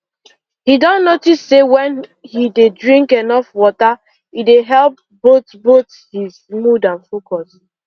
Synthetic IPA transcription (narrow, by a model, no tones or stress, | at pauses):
hidɔnotistsewɛ̃nhidedɹĩŋkenɔfwɔta | ideɦɛlp̚ | botbot | hizmudãnfokɔs